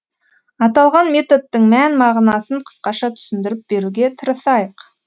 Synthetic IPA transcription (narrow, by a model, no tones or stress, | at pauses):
ɑt̪ɑlˠʁɑnmʲe̞t̪o̞d̪ːəɴmænmɑʁnɑsəɴqʰə̥sqɑʃɑt̪ʰʏ̥sɪnd̪ɪɾɪp̚be̞ɾuɡʲe̞t̪ʰəɾəsɑjəq